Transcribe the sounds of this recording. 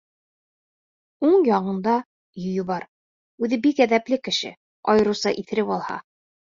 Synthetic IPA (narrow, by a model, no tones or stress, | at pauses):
uɴjɒɴɤ̆nd̪ɑ | jɵ̆jɤbɑɾ | ʉðɘbikæðæplɘkɘ̆ʃɘ̰ | ɒjɤ̆ɾusɑʔiθɘ̆ɾɘpɒlˠhɑ̰